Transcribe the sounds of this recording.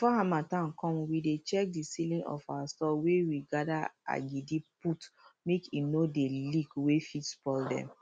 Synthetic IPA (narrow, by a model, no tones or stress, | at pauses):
fɔhãmatãnkɔ̃mwidet͡ʃɛk̚disilĩnɔ̰fawastɔwewiɡadaa̰ɡidiputmekinodeliɡwefitsbɔldɛ̰̃m